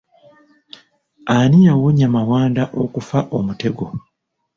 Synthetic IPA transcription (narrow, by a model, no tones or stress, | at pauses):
anijawoɲamawaːndaʔokufaʔomute̞ɡo̞